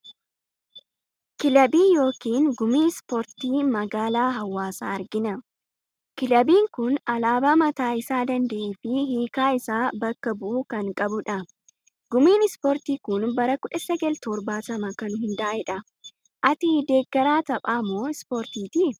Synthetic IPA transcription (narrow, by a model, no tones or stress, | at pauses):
kɪlɐbiːjo̞ːkiːŋɡʊmiːspoɾt̪iːmɐɡaːlaːɦɐwːaːsaːɐɾɡɪnɐ | kɪlɐbiːŋkʊnɐlaːbaːmɐt̪aːɪsaːd̪ɐnd̪ɐʔeːfɪhiːkaːɪsaːbɐkːɐbʊʔuːkɐŋkʼɐbʊᶑɐ | ɡ̥ʊmiːnɪspoːɾt̪iːkʊnbɐɾɐkʊᶑɐsɛɡɐlt̪ɔɾbaːt̪ɐmɐkɐnʊɦɪnd̪ɐʔaʔɛᶑɐ | ʔɐt̪ɪd̪e̞ːkːɐɾaːt̪ɐpʼaːmːo̞ːɪspoːɾt̪iːt̪ɪ